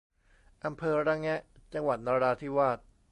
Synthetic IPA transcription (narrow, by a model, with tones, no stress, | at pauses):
ʔa˧mpʰɤː˧ɾa˦˥ŋɛ˦˥ʔt͡ɕa˧ŋwa˨˩t̪̚naː˧ɾaː˧t̪ʰiː˥˩waː˥˩t̪̚